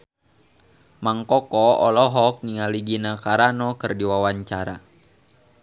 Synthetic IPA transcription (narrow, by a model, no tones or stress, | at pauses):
maŋkɔkɔɔ̰lɔɦɔk̚niŋaliɡinakaɾanɔkɨrdiwawaɲt͡ʃaɾa̰